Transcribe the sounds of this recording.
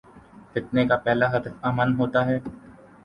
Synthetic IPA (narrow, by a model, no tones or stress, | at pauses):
fɪt̪nekapɛːlaɦɐd̪əfaːmənɦoːt̪aɦɛː